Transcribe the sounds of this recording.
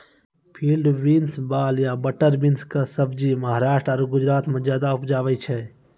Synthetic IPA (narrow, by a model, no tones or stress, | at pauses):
pʰiːlɖʋinsbaːljabəʈəɾbinskəsəbd͡ʒiməɦaɾaːʃʈəːɾɡʊd͡ʒɾaːt̪mẽd͡ʒjaːd̪aʊpd͡ʒaːʋɛt͡ʃʰɛ